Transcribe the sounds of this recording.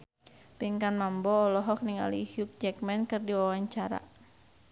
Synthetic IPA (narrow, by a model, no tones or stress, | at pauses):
piŋkanmambɔːlɔɦɔk̚niŋa̰lihjuk̚d͡ʒɛkmɛnkɨrdiwawaɲt͡ʃaɾa̰